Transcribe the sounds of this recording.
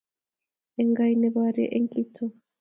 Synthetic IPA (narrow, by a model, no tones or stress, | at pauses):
ɛŋɡajinɛβaɾɛ̰ʔeŋkʼitʰɔ